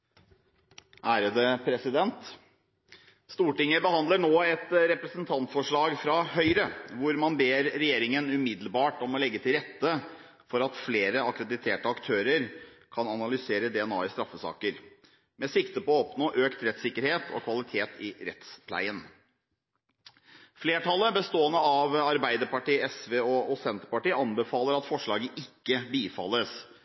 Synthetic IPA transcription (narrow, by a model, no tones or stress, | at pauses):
ʔæːɾəd̪əpʰɾɛsɪd̪ɛnt̪ | st̪uːʈɪŋːəbəhɑnd̪ləɳoːɛt̪ɾɛpɾəsənt̪ʰɑnt̪fɔʂɭɑːɡfɾɑhœʏɾəʋʊɾmɑnbeːɾɾɛjeːɾɪŋənʉmɪd̪lbɑːʈɔmɔlɛɡːət̪ʰɪlɾɛt̪ːə | fɔɾɑt̪fleːɾəɑkɾɛd̪ɪt̪ʰeːʈəɑkt̪ʰøːɾəɾkʰɑnɑnɑlʏseːɾəd̪ɛɛnɑ̰ːɪst̪ɾɑfːəsɑ̰ːkəɾ | mɛsɪkt̪əpɔɔɔpnoːʔøːkt̪ɾɛt̪sɪkːəɾheːt̪ʰɔ̰kʰʋɑlɪt̪ʰeːt̪ʰɪɾɛ̰t̪spʰlæ̰ɪən | fleːʈʰɑlːəbəst̪oːənəɑʋɑɾbæɪd̪əɾpɑʈiːɛsʋeːɔɔsɛnt̪əɾpɑʈiːɑnbəfɑːləɾɑt̪fɔʂɭɑːɡəʔɪkːəbiːfɑ̰lːəs